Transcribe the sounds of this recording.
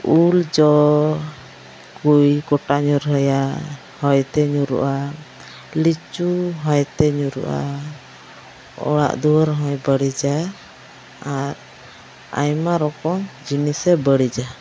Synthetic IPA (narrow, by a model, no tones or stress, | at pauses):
uld͡ʒɔ | kujkɔʈaɲuɾɦəja | hɔjt̪ɛɲuɾṵʔa | lit͡ʃuɦɔjt̪ɛɲuɾṵʔa̰ | ɔ̰ɽa̰ʔd̪uwəɾɦɔ̃jbəɽid͡ʒa | ɾ | a̰jmaɾɔkɔŋd͡ʒinisɛbəɽid͡ʒa